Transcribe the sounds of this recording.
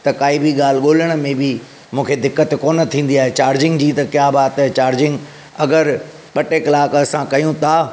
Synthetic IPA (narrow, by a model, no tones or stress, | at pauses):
t̪ɐkaːibʱiɠaːl̤ɠoːləɽ̃̆mẽbɪ | mũːkʰed̪ɪkːət̪koːnə̆t̪ʰĩːn̆d̪iaːɦet͡ɕaːɾd͡ʑɪ̃ŋɡd͡ʑiːt̪ɐkjaːbaːt̪ɦet͡ɕaːɾd͡ʑɪ̃ŋɡ | ɐɡəɾ | ɓɐʈekɐlaːkɐsãkɐjũt̪ʰaː